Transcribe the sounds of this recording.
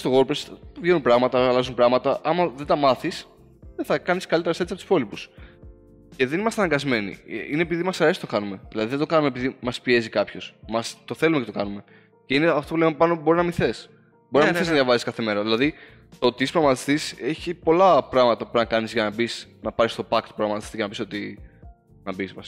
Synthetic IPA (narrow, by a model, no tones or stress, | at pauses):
st̪oɣo̞ɾpɾesvʝenunpɾɐɣmɐt̪ɐlɐzumpɾɐɣmɐt̪ɐʔɐmɐðed̪ɐmɐθis | ðeθɐkɐniskɐlit̪eɾɐset̪sɐpot̪spo̞lipus | ce̞ðe̞nimɐst̪eɐnɐŋɡɐzme̞nḭinepiðimɐsɐɾe̞si̥t̪okɐnume̞ðilɐðiðed̪okɐnumepiðimɐspie̞zikɐpço̞smɐst̪o̞θe̞lumecet̪okɐnume̞ | ce̞ineɐft̪o̞pulempɐnoboɾinɐmiθe̞s | bo̞ɾinɐmiθeznɐðʝjɐvɐsiskɐθe̞me̞ɾɐðilɐði | t̪ot̪iispɾoɣɐmɐt̪i̥st̪ise̞çipo̞lɐpɾɐɣmɐt̪ɐpupnɐkɐnizʝɐnɐbisnɐpɐɾist̪o̞pɐkt̪pɾoɣɐmɐt̪i̥st̪icenɐpisot̪i | nɐbispɐs